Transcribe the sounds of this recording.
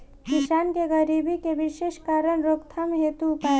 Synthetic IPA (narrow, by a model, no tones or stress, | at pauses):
kɪʃaːnkeɣəɾiːbikeʋɪʃeːʃkaːɾəɳɾoːkt̪ʰameɦeːt̪uʊpaːe